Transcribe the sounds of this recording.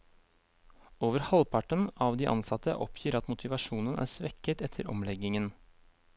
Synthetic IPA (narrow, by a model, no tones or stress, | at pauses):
oːʋəɾhɑlpʰɑʈənɑːʋd̪iːʔɑ̰nsɑt̪ə̰ʔɔ̰pʰjiːɾɑt̪mʊt̪ʰɪʋɑʃuːnənʔæ̰ːsʋɛkət̪ɛt̪ʰəɾɔ̰mlɛɡɪŋən